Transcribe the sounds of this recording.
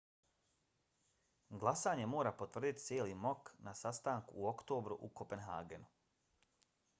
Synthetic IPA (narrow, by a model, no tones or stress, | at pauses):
ɡlˠasaːɲe̞mo̞ːɾapo̞t̪ʋr̩d̪it̪t̪sjeːlimo̞knasast̪aːŋkuːo̞kt̪o̞ːbɾuʔukopenɦa̰ːɡe̞nu